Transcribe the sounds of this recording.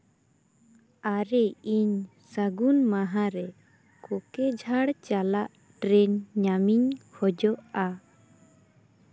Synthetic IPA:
aɾɛiɲ | saɡunmaɦaɾɛ | kɔkɛd͡ʒʱaɽt͡ʃalaʔ | ʈɾɛnɲamiɲhɔd͡ʒɔʔa

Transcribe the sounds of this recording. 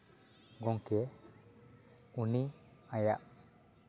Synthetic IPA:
ɡɔŋkɛ | uniajaʔ

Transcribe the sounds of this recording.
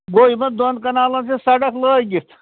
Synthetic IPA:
ɡoːimɐd̪onkɐnaːlɐnsisɐɖɐkləːjɡiɾt̪ʰ

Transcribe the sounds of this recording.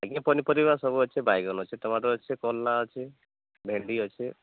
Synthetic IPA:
aɡĩpɔnipɔɾibasɔbuɦɔt͡ʃʰebajɡɔnɦɔt͡ʃʰet̪ɔmaɾɔɦɔt͡ʃʰekɔlːaɦɔt͡ʃʰe | bʱeɳɖiɦɔt͡ʃʰe

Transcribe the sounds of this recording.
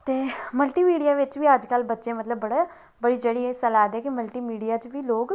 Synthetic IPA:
t̪eːməlʈiːmiːɖijaːʋɪt͡ʃʋiːəd͡ʒkəlbətːʃeːmət̪ləbːəɽeː | bəɽiːd͡ʒəɽiːeːsəlaːd̪ɛːkɪməlʈiːmiːɖijaːt͡ʃʋiːloːɡ

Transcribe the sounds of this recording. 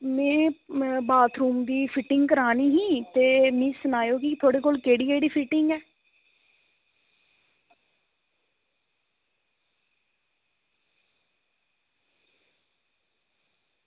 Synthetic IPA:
mɛ̃ːbaːt̪ʰɾuːmd̪iːpʰɪʈɪŋɡkəɾaːniːɦĩːt̪eːmĩːsʊnaːjoːkɪt̪ʰoːɽeːkoːlkeːɽiːəiɖiːpʰɪʈɪŋɡɛː

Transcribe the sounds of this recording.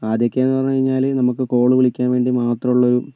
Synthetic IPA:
aːd̪jɐkʲːɐeːnːɨpɐrɐɲːukɐɻiɲːaːlnɐmukːɨko̞ːɭɨʋiɭikʲːaːnʋe̞ːɳɖimaːt̪rɐmuɭːɐo̞ɾu

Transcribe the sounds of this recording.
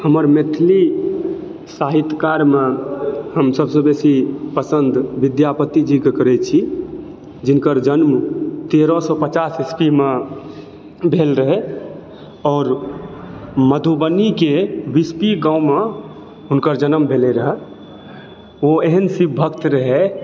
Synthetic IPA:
həməɾmet̪ʰli | saɦit̪kaɾmẽhəmsəbsebesipəsənd̪ʋid̪japət̪id͡ʒikekəɾɛt͡ʃʰi | d͡ʒɪnkəɾd͡ʒənmt̪eɾɔsɔpət͡ʃasespimẽ | bʱeːlɾəɦe | ɔːɾ | məd̪ʱubənikebispiɡãʊme | ɦʊnkəɾd͡ʒənəmbʱeleɾəɦɛ | oeɦənsibʱəkt̪ɾəɦɛ

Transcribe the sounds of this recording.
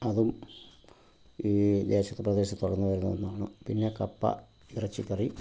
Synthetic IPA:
ɐðum | iːd̪eːɕɐt̪ːɨprɐd̪e̞ːɕ̬ɐt̪ːoɽɐnːɐʋɐɾunːɐonːuaːɳɨpinːe̞kɐpːɐ̰ | irɐt͡ɕːikːɐri

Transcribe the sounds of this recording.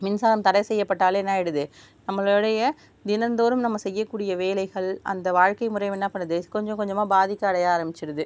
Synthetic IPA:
mɪnsaːlɐmt̪ɐɽɐɪsɛjːɐpːɐʈːaːlɛnːaːɛɽɯðɯ | nɐmːɐɭɔɽɐjɐ | d̪ɪnɐnd̪oːɾɯmnɐmːɐsɛjːɐkːuːɽɪjɐʋeːlɐɪɣɐɭɐ̰nd̪ɐʋaːɻkɐɪmʊɾɐɪʋɛnːaːpɐɳːɯðɯkɔɲd͡ʒɔ̃kɔɲd͡ʒɐmaːbaːðɪkːaːɽɐjaːɾɐmbɪt͡ʃːɪɾɯðɯ

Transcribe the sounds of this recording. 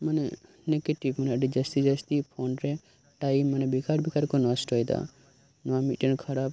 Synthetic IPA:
manɛ | nekeʈibmanɛʈid͡ʒəst̪id͡ʒəst̪ipʰonɾɛ | ʈajmːanɛbikaɾbikaɾkɔnɔsʈɔjd̪a̰ | nɔamiʈənkʰɐɾab

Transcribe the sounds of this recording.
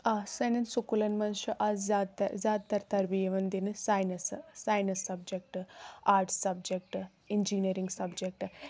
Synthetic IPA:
aːsɐnɐnsukulɐnmɐnʃɐʔɐzzaːd̪t̪ɐzaːd̪̚t̪ɐɾt̪ɐɾbijɐʋɐnd̪inɨsajnɐssajnɐsːɐb̚d͡ʒek̚ʈaːɾʈssɐb̚d͡ʒek̚ʈ | iɲd͡ʒiːniɐɾiŋɡsɐbd͡ʒek̚ʈ

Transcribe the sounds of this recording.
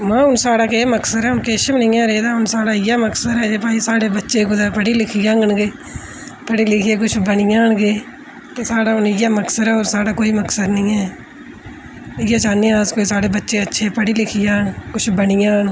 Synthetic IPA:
mãːʊnsaːɽaːkeːməksəɾɛːʊnkeːʃmnɪ̃ːãːɾɛeːd̪aːʊnsaːɽaːɪjaːməksəɾɛːd͡ʒeːpaːisaːɽeːbətːʃeːɡʊd̪aːpəɽiːlɪkʰɪjãːɡənɡeː | pəɽiːlɪkʰɪjeːk̬ʊt͡ʃʰbəɳɪjãːɳɡeː | t̪esaːɽaːʊnɪjaːməksəɾɛːoːɾsaːɽaːkoːiːməksəd̪nɪ̃ːɛː | ɪjaːt͡ʃaːnːiːãːskoːisaːɽeːbətːʃeːətːʃʰeːpəɽiːlɪkʰɪjaːnkʊt͡ʃʰbəɳɪjãːn

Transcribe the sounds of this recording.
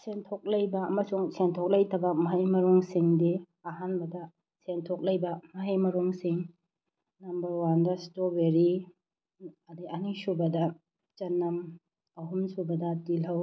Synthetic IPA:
sentʰok̚lɐjbɐɐmɐsuŋsentʰok̚lɐjtʰɐbɐmɐɦɐjmɐɾuŋsiŋdi | ɐɦanbɐdɐ | sentʰok̚lɐjbɐmɐɦajmɐɾuŋsiŋ | nɐmbɐɾwandɐstobeɾi | ɐdiɐnisubɐdɐ | t͡ʃɐnːɐm | ɐɦumsubɐdɐtilɦɐw

